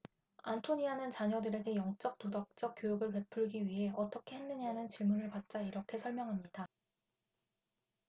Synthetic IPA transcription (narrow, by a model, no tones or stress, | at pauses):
antʰoɲianɯnt͡ɕaɲʌdɯɾe̞ɡe̞jʌŋt͡ɕ͈ʌk̚todak̚t͡ɕ͈ʌk̚k͈jojuɡɯɭpe̞pʰuɭɡiɥiɦe̞ʌt͈ʌkʰe̞ɦenːɯɲanɯnt͡ɕiɭmunɯɭpat̚t͡ɕ͈aiɾʌkʰe̞sʰʌɭmjʌŋɦamɲid̥a